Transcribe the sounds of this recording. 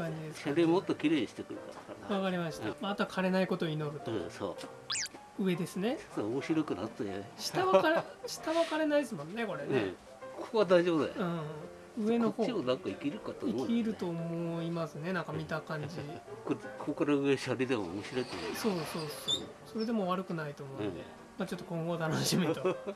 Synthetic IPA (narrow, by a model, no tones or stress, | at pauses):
kãɲ̟d͡ʑid̪e̞sɕkaɾʲimot̪ːokʲiɾe̞ːɲiɕi̥t̪ekɯ̟ɾet̪aɾakaɾβakaɾʲimaɕi̥t̪amaːt̪okʰaɾe̞naiko̞t̪o̞ino̞ɾɯ̟t̪oso̰ː | ɯ̟e̞d̪e̞sɨne̞soomoɕiɾokɯ̟na̰t̪ːajeɕi̥t̪aβakaɾɕi̥t̪aβakaɾe̞naisɨmõ̞nːe̞ko̞ɾe̞n | kʰo̥koβad̪aiʑobɯd̪a̰ɯ̃ | ɯ̟e̞nohoːionãŋkaikʲiɾɯ̟kat̪ːaikkʲiɾɯ̟t̪o̞ːmo̞imasɨne̞nãŋkamʲit̪akãɲd͡ʑikokʰokaɾaɯeɕaɾʲid̪emo̰o̰moɕiɾo̞it̪o̰nso̞ːso̞ːsoː | so̞ɾe̞d̪e̞mo̞βaɾɯ̟kɯ̟nait̪o̞ːmo̞nd̪e | mat͡ɕo̞t̪ːokõ̞ŋɡo̞t̪anoɕimet̪o